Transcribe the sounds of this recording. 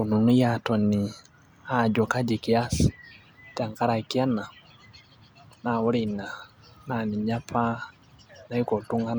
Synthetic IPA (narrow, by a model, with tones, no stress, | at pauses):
u˨nu˨nu˦jatɔ˨ni˨ | a˨d͡ʒɔ˨ka˦d͡ʒi˨ki˨a˦si̥˨ | ta˨ŋka˦ɾa˨ki˦a˦na˨ | na˨wu˦ɾi˨na˨ | na˨ni˨ɲa˦pʰa˦ | na˨i˦ko˨tu˦ŋɡa˦n